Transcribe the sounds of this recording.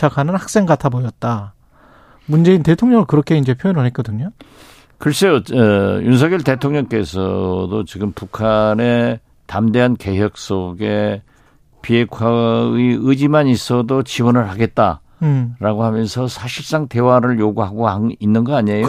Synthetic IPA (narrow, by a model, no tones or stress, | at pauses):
t͡ɕʰakʰanɯnhak̚s͈e̞ŋɡatʰabʌjʌt̚t͈a | mund͡ʑe̞inte̞tʰoŋɲʌŋɯɭkɯɾʌkʰe̞ind͡ʑe̞pʰjojenɯɭɦek͈ʌdɯɲo | kɯɾes͈ʰejojuns̬ʰʌɡjʌɭte̞tʰoŋɲʌŋk͈e̞sʰʌ̰dot͡ɕiɡɯmpukʰane̞ | tamdeɦanke̞ɦjʌk̚s͈oɡe̞ | pie̞kʰwaiɯd͡ʑimanis͈ʰʌdot͡ɕiwʌnɯɭhaɡe̞t̚t͈a | ɾaɡohamjʌnsʰʌsʰaɕʰiɭs͈aŋte̞waɾɯɭjoɡuɦaɡohainːɯnɡʌaɲejo